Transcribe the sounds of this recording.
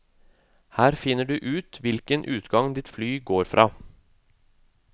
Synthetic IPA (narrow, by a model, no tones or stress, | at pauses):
hæːɾfɪnːəɖʉːʔʉːt̪ʋɪlkənʔʉːt̪ɡɑŋd̪ɪt̪flyːɡoːɾfɾʔɑ̰ː